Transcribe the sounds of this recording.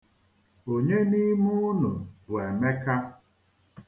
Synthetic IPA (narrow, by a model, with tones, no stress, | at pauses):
o˨ɲe˦ni˦mu˦nʊ˨we˨me˦ka˦